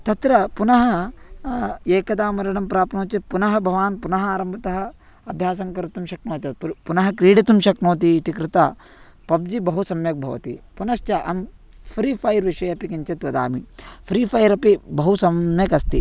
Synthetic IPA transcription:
t̪ɐt̪ɾɐpunɐɦɐ | eːkɐd̪aːmɐɾɐɳɐmpɾaːpnoːt͡ʃɐpunɐɦɐbʱɐʋaːnpunɐɦɐaːɾɐmbʱɐt̪ɐɦɐ̆ | ɐbʱjaːsɐŋkɐɾit̪umʃɐknoːt̪ɐpunɐɦɐkɾiːɽit̪umʃɐknoːt̪it̪ikɾɪt̪ɐ | pɐb̚d͡ʒibɐɦusɐmjɐk̚bʱɐʋɐ̰t̪ḭpunɐʃt͡ʃɐʔɐ̰m | pʰɾiːpʰɐjɾʋiʂɐjɐpikɐɲt͡ʃɐt̪ʋɐd̪a̰ːmipʰɾiːpʰɐjɾɐpibɐɦusɐmjɐkɐst̪i

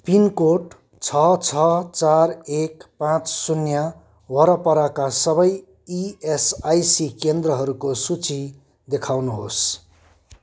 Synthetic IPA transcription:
pinkoʈ | t͡sʰʌt͡sʰʌt͡sarekpãt͡ssunja | wʌɾʌpʌɾakasʌbʌj | iesajsikend̪rʌɦʌɾukosut͡si | d̪ekʰawnuɦos

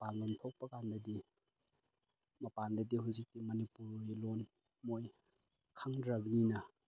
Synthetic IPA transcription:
paŋlomtʰok̚pɐkandɐdi | mɐpandɐdiɦuzik̚timɐnipuɾilon | moj | kʰaŋdɾɐbninɐ

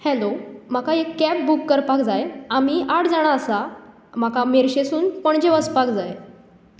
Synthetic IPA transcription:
hɛlom̤akaekːɛp̚bukːəɾpakd͡zajam̤iʔaʈd͡zaɽ̃aəsa | m̤akameɾɕesuːnpəɳd͡ʑeʋəspakd͡zaj

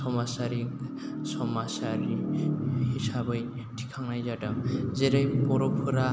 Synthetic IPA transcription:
sɔmasaɾik | sɔmasaɾi | hisabɔj | tʰi̥kʰaŋnajzaʈaŋzeɾejpɔɾɔpʰuɾa

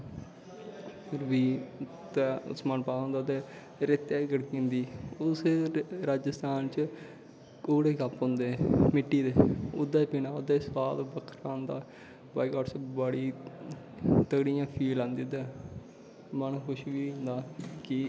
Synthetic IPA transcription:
ɾʋiː | t̪ɛːʊ̰smənpaːõnd̪aːt̪eː | ɾet̪eːɡəɽkĩːnd̪iːʊsɾaːd͡ʒəst̪ʰaːnt͡ʃ | koːɽeːkapɦʊ̃ːnd̪eːmɪʈːiːd̪eːʊd̪ːaːpɪnaːʊd̪eːsʋaːlbəkʰɾãːnd̪a̰ː | baːikɔːɖsbəɽiː | t̪əɡɽijãːpʰiːlãːnd̪iːd̪eː | mənːkʰʊʃʋiːɦʊ̃nd̪aːkɪ

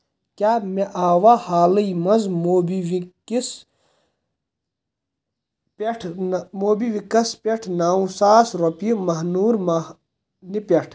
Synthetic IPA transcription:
kaːmeʔaːwahaːlɐjmɐzmoːbiwikis | peʈʰmoːbiʋikɐspʲeʈʰnaːũsaːsɾopimɐɦnuːɾmɐ | nipeʈʰ

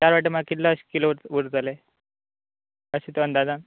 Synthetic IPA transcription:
t̪jaɾʋaʈːemaakit̪ləɕkiloɾʋuɾd͡zale | əɕet̪oənd̪ad͡zan

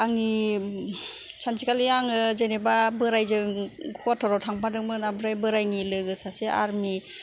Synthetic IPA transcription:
aŋi | t͡ʃʰansikalijaŋɯzenebabɯɾajzɯŋkʰɔtʰɔɾɔwtʰaŋpʰadɯŋmɯnabɯɾajbɯɾajnilɯɡɯsaseʔa̰ɾmi

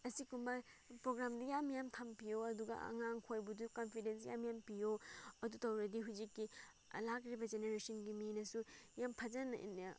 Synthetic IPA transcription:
ɐsikumbɐpɾoɡɾamdɐjamjamtʰampijoɐduɡɐ̰ɐ̰ŋaŋkʰojbudukonpʰidens̬ja̰mjampijoɐdutɐwɾɐɡiɦuzikːḭ | lakɾibɐd͡ʒeneɾesɐnɡiminɐsujampʰɐzɐn̰

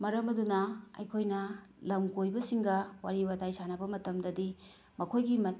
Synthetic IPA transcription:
mɐɾɐmɐdunɐɐ̰jkʰojnɐlɐmɡojbɐsiŋɡɐwa̰ɾiwadajsanɐbɐmɐtɐmdɐdi | mɐkʰojɡimɐ

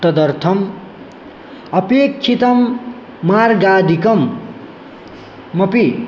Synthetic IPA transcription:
t̪ʌd̪ʌrt̪ʰʌm | ʌpekʰːit̪ʌmː | arɡad̪ʱikʌm | ʌpi

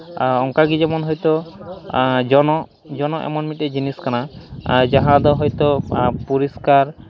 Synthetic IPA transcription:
ɔŋkaɡid͡ʒɛmɔnɦɔjt̪o | d͡ʒɔnɔ | d͡ʒɔnɔʔɛ̰mɔnmiʈed͡ʒiniskanad͡ʒaɦãd̪ɔɦɔjt̪opuɾiskaɾ

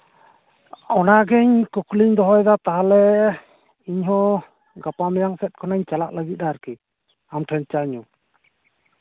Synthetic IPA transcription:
ɔnaɡɛɲkukliɲd̪ɔɦɔjd̪at̪aɦalɛ | iɲhɔ̃ | ɡapamɛjaŋsɛt̪̚kʰɔnaɲt͡ʃalaʔ̚ləɡit̪̚aɾki | amʈʰɛn̚t͡ʃaɲu

